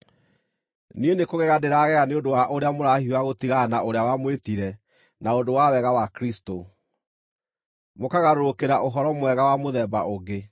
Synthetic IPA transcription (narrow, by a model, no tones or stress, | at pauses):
nienekoɣɛɣadeɾaːɣɛɣaneondowaʔoɾeamoɾahiwaɣotiɣanaoɾeawamwetiɾɛ | naondowawɛɣawakɾisto | mokaɣaɾoɾokeɾaʔoɦɔɾɔmwɛɣawamoðɛba̰ʔoɣe